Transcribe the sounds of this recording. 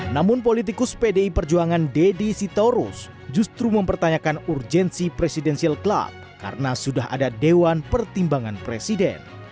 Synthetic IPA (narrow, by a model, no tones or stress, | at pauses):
namʊnp̬olit̪ikʊspedeipərd͡ʒuaŋandɛdisit̪oɾus | d͡ʒust̪ɾuməmpərt̪aɲakanurd͡ʒɛnsipɾesidɛnsialkla̰b̚ka̰ɾənasudaɦa̰dadewanpərt̪imbaŋanpɾesidɛ̰n